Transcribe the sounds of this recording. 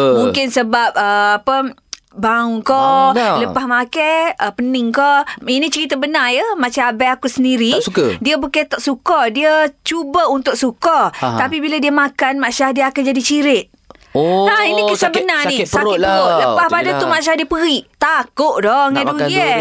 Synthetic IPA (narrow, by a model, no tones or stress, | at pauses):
mũŋkɪnsəbap̚əapə | baukɔləpahmakɛəpənɪŋkɔinit͡ʃəɾit̪abənajəmaʔt͡ʃaabajakusəndiɾisukədiəbukət̪ɔʔsukɔdiət͡ʃubəunt̪ʊk̚sukɔt̪apibiladiəmakanmaʔʃahdiəakad͡ʒadit͡ʃiɾɪt̪̚ | ainikəsabənanisaəɾoʔləpahpadat̪umaʔʃadiəpəɣiʔt̪akʊʔdɔŋaduə